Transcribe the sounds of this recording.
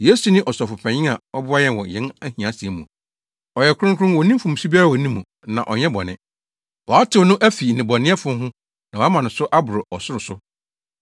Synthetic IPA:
je˦su˨nɪ̃˦ʔɔ˨sɔ˨fʊ˨pʰɛ̃˨ɲɪ̃˦a˨ɔ˦bʊ˦a˦jɛ˦˨wɔ˨jɛ̃˦næ˦hĩ˨ã˨˦si˨ɛ˦mṵ̃˨ | ɔ˨jɛ˨kʰʷʊ˦ɾʊ̃˦ŋ˦kʰɾʊ̃˦wɔ˨nĩ˦fũ˨m˨su˦bi˦a˦ɾa˦˨ɔ˨nĩ˦mːũ˨ | nã̰˨ʔɔ˨ɲɛ̃˦bɔ̰˨nɪ̃˦˨ | wɔ˨a˦tʰɪ˨wnʊ̃˦ʔæ˦fi˨nɪ̃˨bɔ˨nɪ̃˦ɛ˦fʊ̃˦ɦʊ̃˦ | nã˨wɔ˨a˦mã˨nʊ̃˨sʊ˦ʔa˦bʊ˨ɾɔ˨ʔɔ˨sʊ˦ɾʊ˨sʊ˦

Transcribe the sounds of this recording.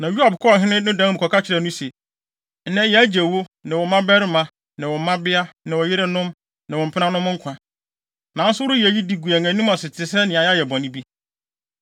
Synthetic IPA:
nã˨ju˦a˨bkʰɔ˦˨ɦɪ̃˦nɪ̃˦nʊ̃˦dã˨˦m˨kʰɔ˨ka˦t͡ɕʰɪ˦ɾɛ˨nʊ̃˦sɛ˨ | n̩˦nɛ̃˦jɛ˨æ˦d͡ʑæ˨wo˦nɪ̃˨wɔ˨˦mã˦bɛ˦ɾɪ˦mã˨ | nã˨wɔ̃˨mã˦bɪ˦a˦nɪ̃˨wɔ˨jɪ˦ɾɪ˦nʊ̃˦m | nã˨wɔ̃˨m̩˨pʰɪ˦nã˦nʊ̃˦m̃˦ŋ̩˦kʷʰã˨ | nã˨˦n̩˦sʊ˦wɾʊ˦ji˨æ˨ji˦di˨ɡu˨æ˨ŋã˨nũ˦m˦ã˨sɪ˨tʰɪ˨sɛ˦nɪ̃˨a˨ja˦jɛ˨bɔ̃˨nɪ̃˦bi˦

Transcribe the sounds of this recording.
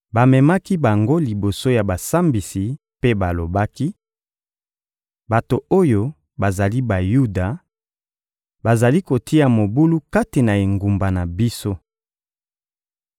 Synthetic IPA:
ba˨mɛ˨ma˦ki˦ba˨ŋɡo˦li˨bo˨so˦ja˨ba˨sa˦mbi˨si˨ | pe˦ba˨lo˨ba˦ki˦ | ba˨to˨o˦jo˦ | ba˨za˨li˦ba˨ju˦da˨ | ba˨za˨li˦ko˨ti˦ja˨mo˨bu˦lu˦ka˦te˨na˨e˨ŋɡu˨mba˨na˨bi˦so˦

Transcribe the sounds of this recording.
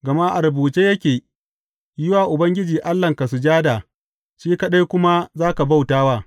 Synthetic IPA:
ɡɐ˨ma˦ʔa˨ɾɐ˨buː˨t͡ʃeː˦jɐ˦kʲeː˨ | jɪ˦waː˨ʔʊ˨bɐ˦ŋɡʲɪ˦d͡ʒiː˨ʔa˦lːɐ˨ŋka˨su˨d͡ʒaː˦da˨ | ʃiː˦kɐ˦ɗa˦jkʷʊ˦ma˦zaː˦ka˨ba˦˨wtaː˦waː˦˨

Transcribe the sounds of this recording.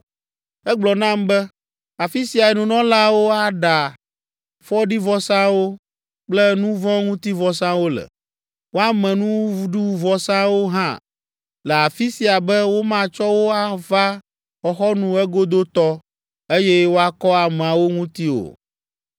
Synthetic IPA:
ɛ˦ɡ͡blɔ˨nã˦mbɛ˦ | a˨fi˦si˨a˨ɛ˨nũ˨nɔ̃˦la˦wo˦a˦ɖa˨ | fɔ˦ɖi˦vɔ˦sã˦wo˦ | k͡plɛ˦nũ˦vɔ̃˦ŋũ˦t̪i˦vɔ˨sã˦wo˦lɛ̰˨ | wo˦a˦mɛ̃˨nũ˦vu˦ɖu˦wu˦vɔ˦sã˦wo˦ɦã̰˦ | lɛ˨a˨fi˦si˨a˨bɛ˦wo˦mã˦t͡ʃɔ˦wo˦a˦va˦ | xɔ˨xɔ˦nũ˦ɛ˦ɡo˦d̪o˦t̪ɔ˦ | e˦jɛ˦wo˦a˦kɔ˦a˨mɛ̃˨a˨wo˦ŋũ˦t̪i˦o̰˨

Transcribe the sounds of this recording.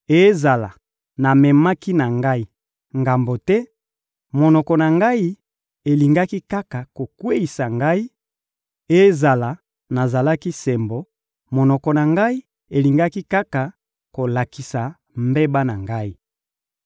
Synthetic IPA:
e˦za˨la˨ | na˨mɛ˨ma˦ki˦na˨ŋɡa˦i˦ | ŋɡa˨mbo˨tɛ˦ | mo˨nɔ˨kɔ˨na˨ŋɡa˦i˦ | e˨li˨ŋɡa˦ki˦ka˦ka˨ko˨kwe˦i˨sa˨ŋɡa˦i˦ | e˦za˨la˨ | na˨za˨la˦ki˦se˨mbo˨ | mo˨nɔ˨kɔ˨na˨ŋɡa˦i˦ | e˨li˨ŋɡa˦ki˦ka˦ka˨ | ko˨la˨ki˨sa˨ | mbe˦ba˦na˨ŋɡa˦i˦

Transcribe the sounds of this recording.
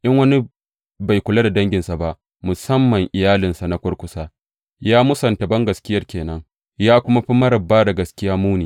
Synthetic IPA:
ʔɪ˦ŋwɐ˦ni˦ | ba˨jkʷʊ˨la˦da˨dɐ˦ŋɡʲɪ˨nsa˨ba˦ʔ | mʊ˨sɐ˦mːɐ˨ŋʔɪ˨jaː˦lɪ˨nsa˨na˦kʷʊ˦rkʷʊ˦saː˦ | jaː˦mʊ˦sɐ˨nta˨bɐ˦ŋɡɐ˨skʲɪ˦jɐ˦rkʲeː˨nɐ˦ŋ | jaː˦kʷʊ˦ma˦ɸi˦mɐ˦ɾɐ˨bːaː˦da˨ɡɐ˨skʲɪ˦jaː˦muː˦niː˨

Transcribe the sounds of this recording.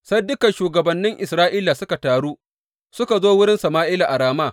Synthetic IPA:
sɐ˦jdʊ˦kɐ˨nʃuː˨ɡɐ˨bɐ˨nːɪ˦ŋʔɪ˨sɾaː˦ʔiː˦laː˨sʊ˦ka˨taː˨ɽuː˦ | sʊ˦ka˨zoː˦wʊ˦ɽɪ˦nsɐ˨maː˦ʔɪː˦la˨ʔa˨ɾaː˨maː˦˨

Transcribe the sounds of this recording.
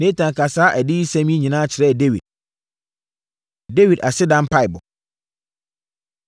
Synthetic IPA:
nẽ˦tʰã˨ŋ˨kʰa˨saː˦ʔæ˨dɪ˦i˦sæ̃˦mĩ˦ɲĩ˨nãː˦t͡ɕʰɪ˨ɾɛ˦˨de˦wḭ˨d̚ | de˦wi˨dʔa˨sɪ˦dã˦m˦pʰa˦ɪ˨bʊ̰˨

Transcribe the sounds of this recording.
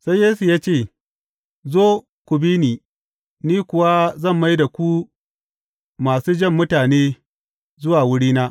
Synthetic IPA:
sa˦jjeː˦su˨jaː˦t͡ʃeː˦˨ | zoː˦ | kʷʊ˨biː˦niː˨ | niː˦kʷʊ˨wa˦zɐ˦˨mːa˦jda˨kʷu˦ | maː˨suː˦d͡ʒɐ˦˨mːʊ˦taː˨neː˦ | zʊ˦waː˨wʊ˦ɽiː˦naː˦ʔ

